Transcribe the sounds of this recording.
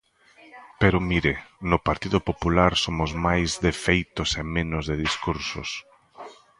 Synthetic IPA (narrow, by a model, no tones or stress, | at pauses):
peɾʊmiɾenʊpaɾt̪iðʊpopulaɾsomʊzmajzðefejt̪ʊsemẽnʊzðeðiskuɾsʊ̰s